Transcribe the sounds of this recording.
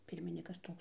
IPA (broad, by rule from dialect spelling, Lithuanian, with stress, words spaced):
ˈpʲɪrʲmʲɪnʲɪkɐs ˈtoːks